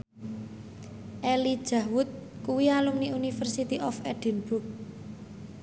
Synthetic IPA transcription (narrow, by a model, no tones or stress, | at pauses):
ʔelid̥ʒ̥a̤wʊt̪̚kuwialumniunifərsit̪iʔɔfɛɖ̥i̤nb̥uk̚